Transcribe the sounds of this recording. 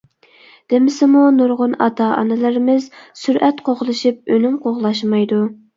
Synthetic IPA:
d̪̥ɪmɪsɪmunuɾʁʊnɑt̪ɑʔɑ̰nɪlɪɾɪmɪzsyɾʔɛt̪qʰoʁlˠɨʃip̚ønymqʰoʁlˠɑʃ̬mɑjd̪u

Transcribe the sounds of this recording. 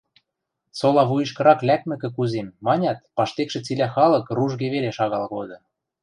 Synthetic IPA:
solɑβujɤ̆ʃkɤ̆ɾɑklʲæk̚mɘ̆kĕkuzemːɑnʲɑt̪̚pɑʃt̪ekʃĕt͡silʲæxɑlɤ̆kruʒɣeβeleʃɑɣɑlɣod̪ɤ̆

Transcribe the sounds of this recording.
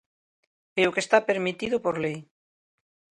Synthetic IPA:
eokest̪apeɾmit̪iðʊpoɾlej

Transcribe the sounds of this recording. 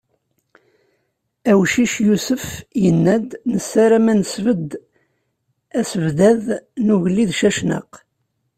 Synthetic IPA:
æwʃiʃjusəfjənːæd̪nəsːæɾæmænəsvəd̪ | æsəvd̪æðnuʝlːiðʃæʃnə̰q

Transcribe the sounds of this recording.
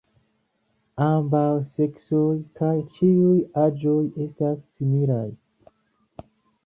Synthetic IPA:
ambawse̞ksojkajt͡ʃiujad͡ʒo̞je̞stasːimilaj

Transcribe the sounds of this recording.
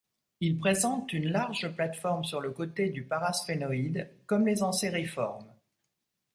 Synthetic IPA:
ilpχezɑ̃t̪ynlaʁʒplat̪fɔʁmsyʁləkot̪ed̪ypaʁasfenɔid̪kɔmlezɑ̃seʁifɔʁm

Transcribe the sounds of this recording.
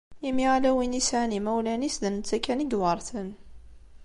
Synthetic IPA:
imiʁalæwinisʕanimæwlænisðənt͡s̪ːækːæniɡwɑɾˤθən

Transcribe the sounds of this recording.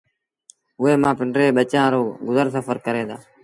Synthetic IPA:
ʊɦeːmãːpɪɳɖɾeːɓət͡ʃãːɾoːɡʊzəɾsəfəɾkəɾẽːd̪aː

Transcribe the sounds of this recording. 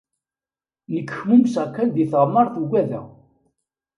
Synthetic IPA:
nəkːə̥çmumsʁkːæld̪iθʁəmːəɾˤθuɡʷæðæ̰

